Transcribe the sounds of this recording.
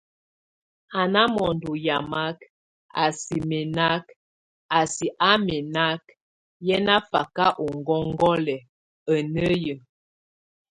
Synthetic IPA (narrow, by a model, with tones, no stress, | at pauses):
a˨na˦mɔ˨n˨du˨ja˨ma˦k | a̰˨si˨mɛ˨na˦k | a˨si˨ʔa˦mɛ˨na˦k̚ | jɛ˦na˦fa̰˨ka˦ʔo˨ŋɡɔ˦ŋ˦ɡɔ˦lɛ˨ | ə˨nə˦jə˨